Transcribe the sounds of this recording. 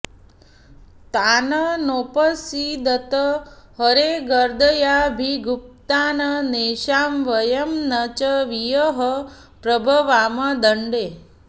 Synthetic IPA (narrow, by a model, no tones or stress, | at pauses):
t̪aːnənopəsid̪ət̪əɦəɾeɡəɾd̪ʱəjabʱiɡup̚t̪aːnəneːʃaːmʋəjɐmnɐt͡ʃəʋijəɦə | pɾɐbʱəʋaːmɐd̪əɳɖe